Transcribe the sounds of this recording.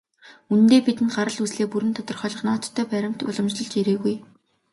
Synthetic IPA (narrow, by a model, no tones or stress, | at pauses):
unɘ̆nt̪eːpit̪ɘ̆nɢaɾə̆ɮusɮeːpuɾɘ̆nt̪ʰɔt̪ɞ̆rχœːɮɞ̆χnɔːt̪ʰːœːpæɾʲɪ̆m̥t̪ʊ̰ɮɞ̆mt͡ɕɮɞ̆ɮt͡ɕiɾeːɣuj